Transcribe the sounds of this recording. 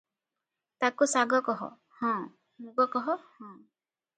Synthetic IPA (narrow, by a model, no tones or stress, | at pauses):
t̪akusaɡɔkɔɦɔ̰ | hɔ̃ | muɡɔkɔɦɔhɔ̃